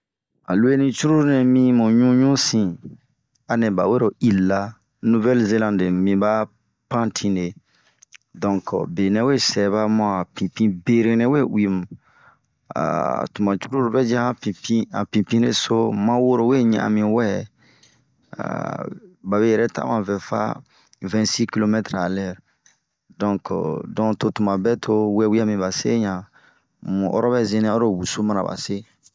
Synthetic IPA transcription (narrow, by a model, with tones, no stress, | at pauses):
ã̰˨lwe˦nĩ˧t͡ʃu˦ɾu˦ɾnɛ̃˨mĩ˦mõ˨ɲũ˦ɲũ˦sĩ˨ | a˨nɛ̃˨ba˨we˦ɾo˨i˨lla˦ | nu˦vɛ˦lze˦lã˦nde˨mĩ˨ba˦ | pã˦tʰĩ˧ne˨ | dɔ̃˨ŋkɔ˨be˨nɛ̃˨we˦sɛ˨βa˦mɔ̃˦ã˨pĩ˨pĩ˦be˨ɾe˦nɛ̃˦we˦wi˨m˨ | a̰˨tũ˨mã˨t͡ʃu˦ɾu˦ɾu˨bɛ˦d͡ʒã˦ã˦pĩ˨pĩ˦ã˨pĩ˨pĩ˦ne˦so˦mã˦wo˦ɾo˨we˦˨ɲɛ̃˨a̰˨mĩ˨wɛ˦ | a̰˨ | ba˨be˦jɛ˨ɾɛ˦ta̰˦mã˨vɛ˨fa̰˦ | vɛ̃˦ntsi˦ki˦lo˦mɛ˦tɾa˨lɛ˦˨ɾ | dɔ̃˦˨ŋkdɔ̃˦to˦tũ˨mã˨bɛ˦tʰo˦wɛ˦wi˦a˦mĩ˨ba˨sḛ˦ɲã˨ | mũ˨ʔɔ̰˦ɾo˦bɛ˦zẽ˦nɛ̃˦o˦ɾo˦˨bu˨so˦mã˦na̰˨ba̰˨se˦